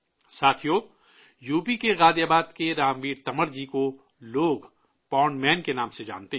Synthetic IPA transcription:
saːt̪ʰijo | juːpikeɣaːd̪jaːbaːd̪keɾaːmbiːɾt̪ɐməɾd͡ʒiko | loːɡ | pɔːɳɖmɛːnkenaːmsed͡ʒa̰ːnt̪eɦ

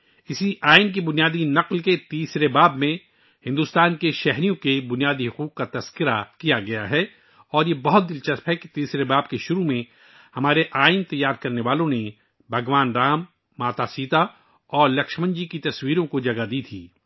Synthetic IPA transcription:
ɪsiʔaːɪnk̬ibʊnijaːd̪inɐqlket̪iːsɾebaːbmẽ | hɪ̃nd̪uːst̪aːnkeʃɛɦɾijõkebʊnijaːd̪iɦʊquːqkat̪ɐskɪɾakijaɡɐjaɦɛ | ɔːɾjebɐɦʊt̪̚d̪ɪlt͡ʃɐspɦɛki̥t̪iːsɾebaːb̚keʃʊɾumẽ | hɐmaːɾeʔaːɪnt̪ɐjːaːɾkɐɾneʋaːlõne | bʱɐɡʋaːnɾaːmː | aːt̪asiːt̪a | ɔːɾlɐkʃmə̃ɲd͡ʒikit̪ɐswiːɾõkod͡ʒɐɡad̪iːt̪ʰiː

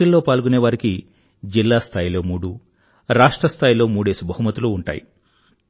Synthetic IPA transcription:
ɐlːo̞ːpaːlɡuneːʋaːɾiki | d͡ʒilːaːst̪ʰaːjilo̞ːmuːɽu | ɾaːʂʈɾɐst̪ʰaːjilo̞ːmuːɽe̞ːsibɐɦumɐt̪ːuluːuɳʈa̰ːjḭ

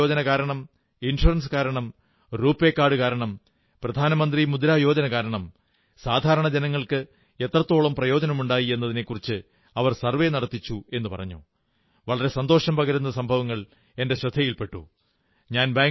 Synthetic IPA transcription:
oːd͡ʑɐnɐkaːɾɐɳɐm | inʂurɐns̬ɨ̥kaːɾɐɳɐm | ruːpːekːaːɽɨkaːɾɐɳɐm | prɐd̪ʱaːnɐmɐnd̪rimud̪ɐɾaːjo̞ːd͡ʑɐnɐkaːɾɐɳɐm | saːd̪ʱaːɾɐɳɐd͡ʑenɐŋːɐɭkɨ | e̞t̪rɐt̪ːo̞ːɭɐmprɐjo̞ːd͡ʑɐnɐmuɳɖaːjie̞nːɐðine̞kːurit͡ɕːɨ | ɐʋɐrsɐrʋe̞nɐɽɐt̪ːit͡ɕːue̞nːɨpɐ̰rɐ̰ɲːṵ | ʋɐɭɐɾe̞sɐnd̪o̞ːʂɐmpɐɣɐɾunːɐsɐmbʱɐʋɐŋːɐɭ | e̞nde̞ɕrɐd̪ʰʱːɐjilpe̞ʈːṵ | ɲaːnbaːŋ

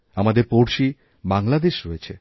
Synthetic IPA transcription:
amad̪eɾpowɾʃi | baŋlad̪eʃɾojet͡ɕʰe

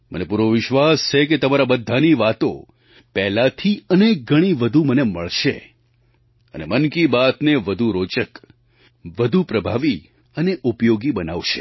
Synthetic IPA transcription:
mə̰nepuɾʋoʋɪʃʋast͡ʃʰeket̪əmaɾabəd̪ʱːaniʋat̪o̰ | pɛɦlat̪ʰiənek̚ɡʱəɽ̃iʋəd̪ʱuməneməɭʃḛ | ə̰nḛmənkibat̪neʋəd̪ʱuɾot͡ʃək | ʋəd̪ʱupɾəbʱaʋi | əneʔupjoɡibənaʋʃe̥

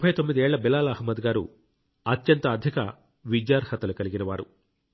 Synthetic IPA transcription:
ubpʰɐjt̪o̞mːid̪iɛːɭːɐbilaːlɐhmɐd̪ɡaːɾṵ | ɐt̪jɐnt̪ɐːd̪ʱjɐkɐ̰ | ʋid͡ʒjaːɾhɐt̪ːɐlukɐliɡinɐʋaːɾu

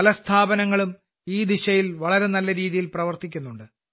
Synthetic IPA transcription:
ɐlɐst̪ʰaːbɐnɐŋːɐɭum | iːd̪iɕɐjilʋɐɭɐɾe̞nɐlːɐɾiːðijilprɐʋɐrt̪ikʲːunːuɳɖɨ

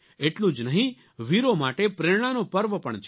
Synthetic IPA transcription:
eʈlũd͡ʒnəɦĩ | ʋiɾomaʈepɾeɾɽ̃anopəɾʋəpəɳt͡ʃʰ

